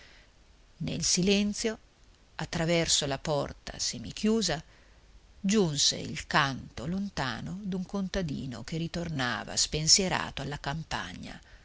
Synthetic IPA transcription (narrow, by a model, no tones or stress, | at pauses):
nḛlsilɛnt̪sjo | at̪ːɾavɛrsolapɔrt̪a̰semːikʰjuːza | d͡ʒunsḛilkant̪olont̪a̰ːnod̪uŋkont̪ad̪ḭːno̰kerit̪orna̰ːva̰spensjeɾa̰ːt̪oalːakampa̰ɲːa̰